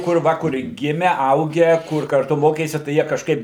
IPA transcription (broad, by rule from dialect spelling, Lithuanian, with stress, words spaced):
kʊr ˈʋɐ kʊr ˈɡʲɪmʲɛ ˈɐʊɡʲæː ˈkʊr kɐrˈtʊ ˈmoːkʲeːsʲɪ tɐɪ ˈjiɛ kɐʃˈkɐɪp